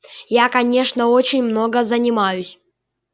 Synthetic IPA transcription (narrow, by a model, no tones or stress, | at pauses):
jakɐnʲe̞ʂnəot͡ɕɪnʲmno̞ɡəzənʲɪmajʊsʲ